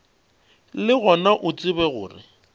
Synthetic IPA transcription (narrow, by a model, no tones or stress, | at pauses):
lɪɣɔnaʔʊt͡sʼɪbɛɣʊ̰ːrɪ̰